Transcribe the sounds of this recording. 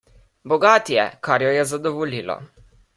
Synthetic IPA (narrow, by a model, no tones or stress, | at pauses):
bɔɡaːt̪jɛ̰kaɾjɔjɛzad̪ɔʋɔliːlɔ̰